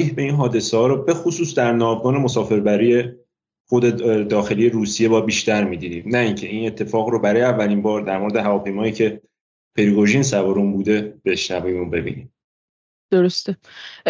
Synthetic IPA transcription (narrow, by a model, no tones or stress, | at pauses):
iːhbe̞iːnɦɒːd̪e̞sehɒːɾobe̞xosuːsd̪æɾnɒːvɡɒːne̞mosɒːfe̞ɾbæɾije̞ | xo̞d̪ed̪ɒːxe̞lije̞ɾuːsije̞bɒːbiːʃt̪æɾmiːd̪id̪iːmnæiːŋcʰe̞ine̞t̪ʰːe̞fɒːɣɾobæɾɒːjeævːælinbɒːɾd̪æɾmo̞ɾd̪eɦævɒːpʰe̞jmɒːiːcʰe̞ | pʰe̞ɾiɡoʒiːns̬æbɒːɾumbuːd̪e̞b̥e̞ʃnævimobe̞bḭːnḭm | d̪̥oɾost̪e